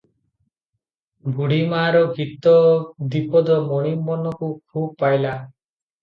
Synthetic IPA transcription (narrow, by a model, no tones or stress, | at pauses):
ɡuɽimaɾɔɡʱit̪ɔd̪ipɔd̪ɔmɔɽ̃imːɔnɔkukʰub̚pajla